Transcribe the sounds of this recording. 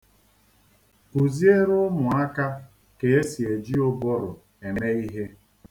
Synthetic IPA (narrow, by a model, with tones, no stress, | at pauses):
u˨zi˦e˦ɾʊ˦mʊ˨a˦ka˦ | ke˨e˦si˨e˨d͡ʒi˦o˦bɔ˦ɾʊ˨ | e˨ne˦i˦ɦe˦